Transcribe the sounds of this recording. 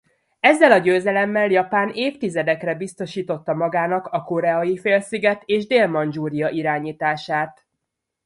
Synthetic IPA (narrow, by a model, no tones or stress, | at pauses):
ɛzːɛlɒɟøːzɛlɛmːɛljɒpaːneːft̪izɛd̪ɛkrɛbist̪o̞ʃiːt̪o̞t̪ːɒmɒɡaːnɒkɒko̞ɾɛɒjifeːlsiɡɛt̪eːʒd̪eːlmɒnd͡ʒuːɾijɒʔiɾaːɲiːt̪aːʃaːt̪